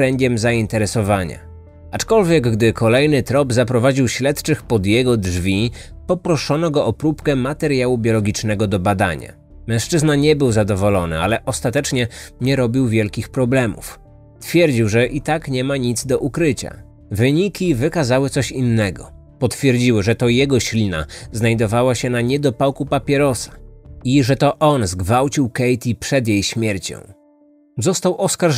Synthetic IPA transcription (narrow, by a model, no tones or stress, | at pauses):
ɾɛɲɡʲɛmzaint̪ɛɾɛsɔvaɲa̰ | at͡ʂkɔlvʲjɛɡɡd̪ɘkʰɔlɛjnɘt̪ɾɔbzapɾɔvad͡ʑiwɕlɛt̪t͡ʂɘxpɔd̪jɛɡɔdʐvʲi | pɔpɾɔʂɔnɔɡɔʔɔpɾupkɛmat̪ɛɾjawubʲjɔlɔɡʲit͡ʂnɛɡɔd̪ɔbad̪a̰ɲa̰ | mɛ̃w̃ʂt͡ʂɘznaɲɛbɘwzad̪ɔvɔlɔnɘ̰alɛʔɔst̪at̪ɛt͡ʂɲɛɲɛɾɔbʲiwvʲjɛlkʲixpɾɔblɛmṵf | t̪fʲjɛɾd͡ʑiwʐɛʔit̪akɲɛmaɲid̪zd̪ɔʔukɾɘt͡ɕa̰ | vɘɲikʲivɘkazawɘt̪sɔɕinːɛɡɔ̰ | pɔt̪fʲjɛɾd͡ʑiwɘʐɛt̪ɔjɛɡɔɕlʲina̰znajd̪ɔvawaɕɛnaɲɛd̪ɔpawkupapʲjɛɾɔsḁiʐɛt̪ɔʔɔnzɡvawt͡ɕiwkɛjt̪ʲipʂɛd̪jejɕmʲjɛɾt͡ɕɔ̰̃w̃ | zɔst̪awʔɔskaɾ